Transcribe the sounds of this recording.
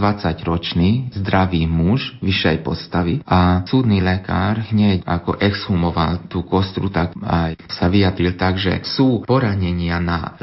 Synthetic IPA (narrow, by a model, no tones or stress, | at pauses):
ʋat͡saɟɾɔt͡ʃniːzd̪ɾaʋiːmuʒʋiʃɛjpɔ̰st̪aʋiʔasuːd̪nilɛka̰ːɾɦɲɛcakɔ̰ʔɛkzhumɔʋalt̪uːkɔst̪ɾut̪aka̰jsaʋijad̪ɾilt̪aɡʒɛ̰suːpɔɾaɲɛɲɪana̰